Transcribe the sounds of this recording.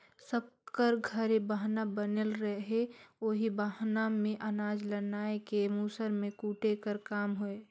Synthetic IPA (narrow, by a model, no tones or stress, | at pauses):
səb̚kəɾɡʱəɾebaɦnabənelɾəɦeoːɦibaɦnamẽʔənaːd͡ʒlənaːekemuːsəɾmẽkuːʈekəɾkaːmɦoe